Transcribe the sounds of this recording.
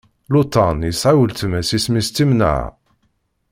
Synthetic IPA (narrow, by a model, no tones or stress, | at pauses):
lut̪ˤɑnjəsʕawəlt̪mæsismist̪ːimna̰ʕ̰